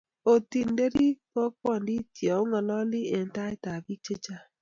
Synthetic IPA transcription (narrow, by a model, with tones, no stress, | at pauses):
o˨ti˨n̩˨˦de˦ɾi˦kɔ˦kwɔ˦˨n˦di˦ti˨ɔ˨ʊ˦ŋɔ˨lɔ˦lɪ˦e˨n̩˦ta˦ɪ˦ta˨bi˦t͡ʃe˦t͡ʃa˦